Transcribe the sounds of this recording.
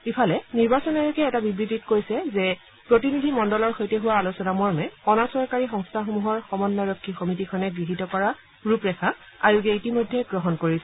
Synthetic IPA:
ipʰalɛniɹbasɔnɔɹukɛːtabibɹititkojsɛzɛ | pɹotinidʱimɔndɔlɔɹxojtɛɦuwaːlusɔnamɔɹmɛɔnasɔɹkaɹixɔŋstʰaxomuɦɔɹxɔmɔnːaɹɔkʰːixomitikʰɔnɛɡɹiɦitɔkɔɹa | ɹupɹɛxʰa | a̰ɹuɡɛitimojdʱːɛɡɹɔɦɔnkoɹisɛ

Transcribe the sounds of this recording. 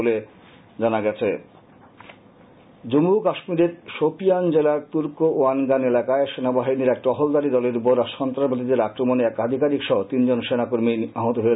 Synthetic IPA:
ole | d͡ʑanaɡɛt͡ɕʰḛ | d͡ʑomukaʃmiɾeɾʃopijand͡ʑelaɾt̪uɾkooanɡanelakaeʃenabaɦiniɾɛk̚ʈɔɦold̪aɾid̪ɔleɾupoɾaʃɔnt̪ɾabʱad̪id̪eɾakɾomoneɛkad̪ʱikaɾikʃɔɦot̪ind͡ʑonʃenakoɾmiaɦot̪oɦe

